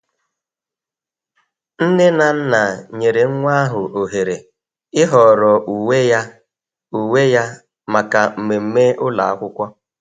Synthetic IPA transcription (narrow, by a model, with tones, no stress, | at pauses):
n̩˦nɪ˦na˨n̩˦na˨ɲe˨ɾe˨ŋ̩˦ŋʷa˦a˦ɦʊ˨ʔo˨ɦe˨ɾe˨ | ɪ˦ɦɔ˨ɾɔ˨ʔu˨we˦ja˦ | u˨we˦ja˦ | ma˨ka˨m̩˨me˨m̩˦me˦ʔʊ˦la̰˨a̰˦kʷʊ˦kʷɔ˦